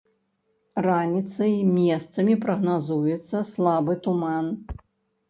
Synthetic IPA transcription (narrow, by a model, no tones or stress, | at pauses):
ranʲit̪sɐjmʲɛst̪sɐmʲipɾɐɣnazujɛt̪sːɐslˠabɨt̪uman